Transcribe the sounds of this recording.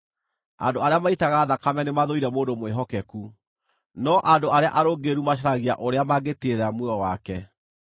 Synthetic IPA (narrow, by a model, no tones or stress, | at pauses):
a̰ndoaɾeamaitaɣaːðakamɛnemaðoiɾɛmoːndomweɦɔkɛku | nɔʔandoaɾeaʔaɾoɡeɾumaɕ̬aɾaɣia̰ʔoɾeamaɡeteɾamweɔwakɛ